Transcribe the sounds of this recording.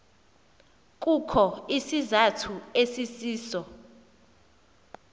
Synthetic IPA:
k̬ʼukʰɔisizatʰuesisiːsɔ

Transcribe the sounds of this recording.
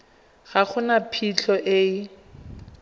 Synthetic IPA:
ɣaχʊnapʰit͡ɬʰɔʔe

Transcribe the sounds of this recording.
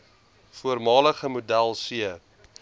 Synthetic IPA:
fuərmɑːləχəmudælˠsiə

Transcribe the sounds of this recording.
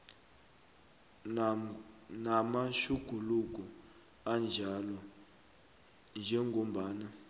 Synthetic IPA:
namaʃuɡ̥ʱuluɡ̬ʱʼɔ | and͡ʒʱalɔ | nd͡ʒʱɛŋɡʱom̩ɓaːna

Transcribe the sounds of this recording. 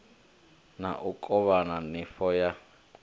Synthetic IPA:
naʔukʼɔβananifɔja

